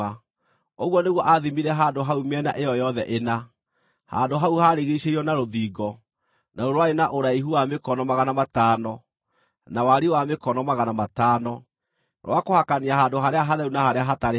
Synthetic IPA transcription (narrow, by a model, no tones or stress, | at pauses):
a | oɣwɔneɣwɔʔaðimiɾɛɦaːndoɦaumɛnaʔejɔjɔðɛʔena | ha̰ndoɦauhaɾeɣeiɕeiɔnaɾoðiːɡɔ | naɾoɾwaenaʔoɾaiɦuwamekɔnɔmaɣanamataːnɔ | nawaɾiwamekɔnɔmaɣanamataːnɔ | ɾwakohakaniaɦaːndoɦaɾeaɦaðɛunahaɾeaɦataɾe